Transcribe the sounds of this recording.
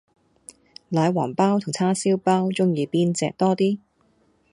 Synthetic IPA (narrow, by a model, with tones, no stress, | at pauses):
laː˨˧jwa̰ː˨˩npaː˥wt̪ʰʊ˨˩ŋt͡sʰaː˥siː˥wpaː˥wt͡sʊ˥ŋjiː˨˧piː˥nt͡sɛ̰ː˧k̚t̪ɔː˥t̪iː˥